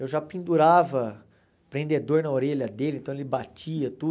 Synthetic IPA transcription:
ewʒapĩnd̪uɾavɐ | pɾẽnd̪ed̪oɾnɐoɾeʎɐd̪elɪ̃nt̪ɐ̃elɪbat͡ʃiɐt̪u

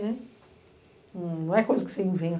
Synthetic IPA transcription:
nɛ̃ | ñnɐ̃w̃ɛkojzɐkɪ̥sẽvẽj̃

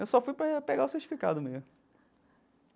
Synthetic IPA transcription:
ewsɔfujpɾɐpeɡaʊseht͡ʃifika̰d̪ʊme

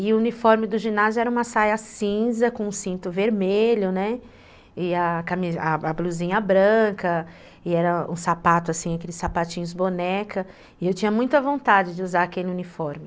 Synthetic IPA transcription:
ɪʊunifɔɾmɪd̪ʊʒinazjʊɛɾɐũmɐsajɐsĩzɐkõũsĩnt̪ʊveɾmeʎʊnɛ | ɪakamizaabluzĩɲɐbɾɐ̃kɐ | ɪɛɾɐṵ̃sapat̪ʊasĩakelɪsːapat͡ʃĩɲʊzbonɛkʰɐ | ɪewt͡ʃĩɲɐmũj̃t̪ɐvõnt̪ad͡ʒɪd͡ʒɪuzaakelɪunifɔɾmɪ

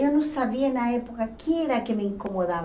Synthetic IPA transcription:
onõsaβiaenaepokakʰieɾakemeiŋkomoðaβ

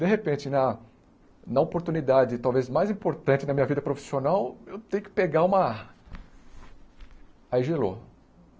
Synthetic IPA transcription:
d̪eɦepẽt͡ʃɪnɐ | nɐopoɾt̪unid̪ad͡ʒɪt̪awvezmajzĩpoɾt̪ɐ̃nt͡ʃɪnɐmĩɲɐvid̪ɐpɾofi̥sionawewt̪ẽjʊkɪ̥peɡaũmɐ | ajʒelo̰

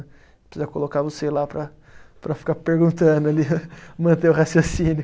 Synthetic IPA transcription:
pɾɪ̥sizɐkolokaɾvoselapɾɐ | pɾɐfi̥kapeɾɡũnt̪ɐ̃d̪ʊalimɐ̃nt̪eʊhasjosĩnʊ

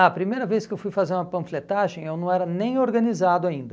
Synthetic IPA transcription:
ɐpɾimejɾɐveskɪewfujfazeɾũmɐpɐ̃flet̪aʒẽj̃ewnɐ̃w̃ɛɾɐnẽj̃oɾɡɐ̃nizad̪ʊaĩnd̪ɐ

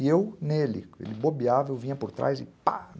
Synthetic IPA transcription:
ewnelɪ̰ḛlɪbobiavewvĩɲɐpoɾt̪ɾa̰jzɪpa̰

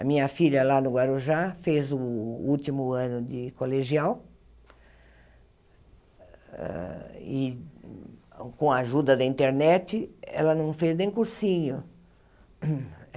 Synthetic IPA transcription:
ɐ̰mĩɲɐfiʎɐlanʊɡwaɾoʒafezʊut̪imʊɐ̃nʊd̪ɪkoleʒiaw | ɛ̰ɪ | kõaʒud̪ɐd̪ɐĩnt̪eɾnɛt͡ʃ̪ɪɛ̰lɐnɐ̃w̃feznẽj̃kuɾsĩɲʊ

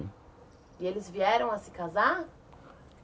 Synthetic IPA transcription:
ɪelɪzviɛɾɐ̃w̃asɪ̥kaza

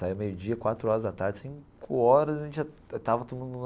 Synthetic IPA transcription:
saiwmejʊd͡ʒiɐkwat̪ɾʊɔɾɐzd̪at̪aɾd͡ʒɪsĩkʰʊɔɾɐzɐʒẽt͡ʃɪʒɛ | t̪avɐt̪od̪ʊmũd̪u

